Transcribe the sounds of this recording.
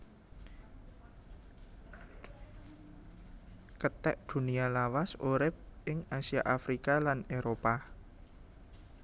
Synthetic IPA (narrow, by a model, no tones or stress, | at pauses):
kət̪ɛʔd̪̥ṳnialawasoɾɪp̚ɪŋasiaʔafɾikalaneɾopa